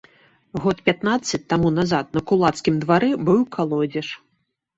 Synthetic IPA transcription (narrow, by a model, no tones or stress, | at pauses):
ɣɔt̪̚pʲat̪nat̪sːɐt͡sʲt̪amunazat̪̚nɐkulˠat̪skʲimd̪vaɾɛbɨwkʰalˠɔd͡zʲɛʂ